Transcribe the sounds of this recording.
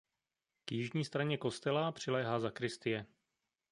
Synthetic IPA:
kjɪʒɲiːst̪ɾaɲɛko̞st̪ɛlapr̝̥ɪlɛːɦaːzakɾɪst̪ɪjɛ

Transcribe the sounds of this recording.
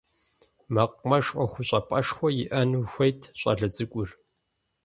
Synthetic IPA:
mɐqʷmɐʂʼʔʼʷɔxʷʊɕʼɐpʼɐʂxʷɔjɪʔɐnuxʷɐjtʰɕʼɐ̰ɮɨd͡zɨkʷʼʊr

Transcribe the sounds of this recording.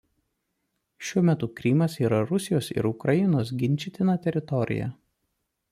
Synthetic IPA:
ʃʲuɔmʲɛt̪ʊkɾʲiːmɐsiːɾɐɾʊsʲɪjoːsɪ̰ɾʊkɾɐjɪnoːsɡʲɪnʲˑt͡ʃʲɪt̪ʲɪnɐt̪ʲɛɾʲɪt̪ɔɾʲɪ̰jɛ̰

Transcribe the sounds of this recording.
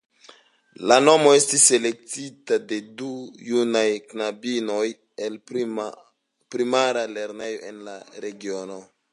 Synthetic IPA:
lano̞mo̞e̞stise̞le̞k̚titade̞dujunajknabino̞j | el | pɾimaɾale̞ɾne̞jo̞̰ʔe̞nlaɾe̞ɡio̞no̞

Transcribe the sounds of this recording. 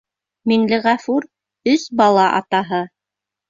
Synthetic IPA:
minlɘʁæfuɾ | ɵsbɑlˠɑʔɑ̰t̪ɑɦɤ

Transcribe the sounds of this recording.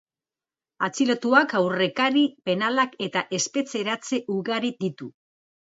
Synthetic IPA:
at͡silo̞t̪uakawre̞kaɾipe̞nalake̞t̪aʔe̞spe̞t͡se̞ɾat͡se̞ʔuɣaɾid̪it̪u

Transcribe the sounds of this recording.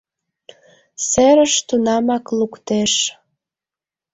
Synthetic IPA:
seɾəʃt̪unɑmɑklukt̪eʃ

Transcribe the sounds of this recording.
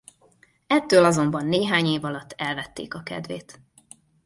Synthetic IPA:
ɛt̪ːøːlɒzo̞mbɒnːeːɦaːɲeːvɒlɒt̪ːɛlvɛt̪ːḛːkɒkɛ̰d̪veːt̪

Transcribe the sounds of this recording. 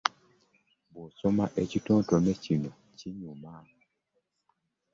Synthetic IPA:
bɔsɔmaʔɛt͡ʃitɔ̃tɔmɛt͡ʃinɔ | t͡ʃiɲumaː

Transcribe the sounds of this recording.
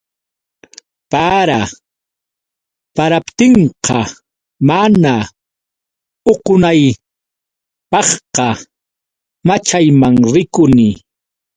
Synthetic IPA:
paɾa | paɾapt̪ɪɴqɑ | mana | oqʊnaj | pɑχqɑ | mat͡ʃajmaŋɾɪkʊnɪ

